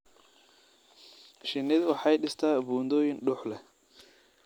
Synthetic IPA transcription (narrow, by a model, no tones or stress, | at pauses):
ʃɪnɪd̪wɑħɑjɖɪst̪ʰaːbuːnd̪ɔːjɪnɖʊħlɛ